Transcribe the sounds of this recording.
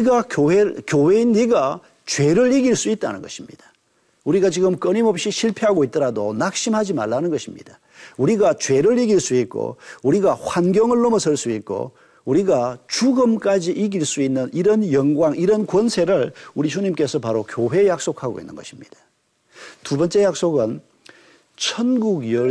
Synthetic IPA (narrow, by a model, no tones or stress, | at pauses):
ɡakjowekjowe̞inːiɡa | t͡ɕwe̞ɾɯɭiɡiɭs͈uit̚t͈a̰nɯ̰nɡʌɕʰimɲḭd̥ḁ | uɾiɡat͡ɕiɡɯmk͈ʌɲimʌp̚ɕ͈iɕʰiɭpʰeɦaɡoit͈̚ʌɾadonak̚ɕ͈imɦad͡ʑima̰ɭːanɯnɡʌɕʰimɲḭd̥a | uɾiɡat͡ɕwe̞ɾɯɭiɡiɭs͈uit̚k͈o̰uɾiɡahwanɡjʌŋɯɭːomʌsʰɯɭs͈uit̚k͈o̰ | uɾiɡat͡ɕuɡɯmk͈ad͡ʑiʔiɡiɭs͈uinːɯniɾʌnjʌŋɡwaŋiɾʌnkwʌnsʰe̞ɾɯɭuɾit͡ɕuɲimk͈e̞sʰʌpaɾokjoɦwe̞jak̚s͈okʰhaɡo̰ḭnːɯ̰nɡʌɕʰimɲid̥ḁ | tubʌnt͡ɕ͈e̞jak̚s͈oɡɯn | t͡ɕʰʌnɡuɡjʌ